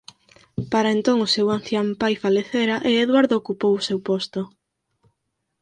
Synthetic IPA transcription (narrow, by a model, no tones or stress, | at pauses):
paɾaent̪oŋʊsewanθjampajfaleθeɾaʔeeðwaɾðoːkupowʊsewpost̪o